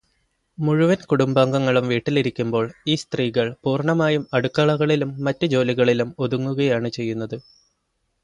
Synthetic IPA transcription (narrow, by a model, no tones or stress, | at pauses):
muɻuʋɐnkuɽumbaːŋɡɐŋːɐɭumʋiːʈːiliɾikʲːumbo̞ːɭiːst̪riːɣɐɭpuːrɳɐmaːjumɐɽukːɐːɭɐɣɐɭilumːɐtːɨd͡ʑo̞ːliɣɐɭilumo̞ðuŋːuɣɐjaːɳɨt͡ɕe̞jːunːɐðɨ